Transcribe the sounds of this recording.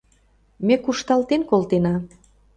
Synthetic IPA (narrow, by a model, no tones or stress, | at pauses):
mekuʃt̪ɑlt̪enkolt̪enɑ